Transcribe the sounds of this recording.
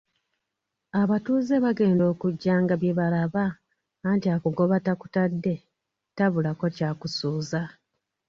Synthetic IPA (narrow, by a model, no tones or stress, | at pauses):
aβatuːze̞βaɡe̞ːndo̞ːkuɟːaːŋɡaβjeβalaβaː | ntiakuɡo̞βataku̥tadːe̞ | taβulako̞caːkusuːza